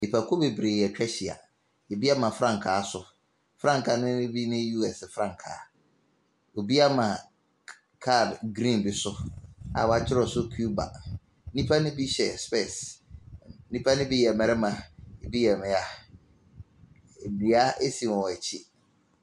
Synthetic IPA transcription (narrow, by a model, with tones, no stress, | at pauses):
i˨pʰa˨kʰo˦be˨bɾeː˨jɛ˨t͡ɕᶣɛ˦ɕi˨a̰˨ | e˨bi˦a˦mã˨fɾã˦˨ŋ˨kʰaː˨˦sʊ˨ | fɾã˦ŋ˨kʰa˨nʊ̃˦ɪ̃˦bi˦nɪ̃˦ju˦ɛ˨sɪ˨fɾã˦ŋ˨kʰa̰ː˨˦ | o˨bi˦a˦mã˨ | kʰa˦˨dɡɾĩ˦˨nbi˦sʊ˦a̰˨wa˨t͡ɕʰɪ˦ɾɔ˨sʊ˦kʰu˦ba̰˨˦ | nĩ˦pʰa˦nɪ̃˦bi˦ɕɛ̰˨spe˦˨s | nĩ˦pʰa˦nɪ̃˦bi˦jɛ˨mɛ̃˨ɾɛ˦mã˨e˨bi˦jɛ˨mɪ̃˨a˨ | di˨a˦e˦sĩ˨mɔ̃˨wɛ˨t͡ɕʰɪ˦